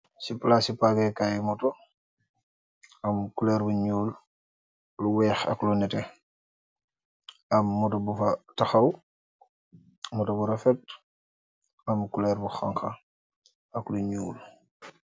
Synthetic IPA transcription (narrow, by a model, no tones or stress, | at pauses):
siplasipaɡɛkajimuto | ɐmkulɛːɾbuɲuːl | luwɛːxɐ̰klunɛtɛ | ɐmːutɔbufɐtɐxɐw | mutobuɾɐfɛt̚ | ɐmkulɛːɾbuxaŋxɐ | ɐkluɲuːl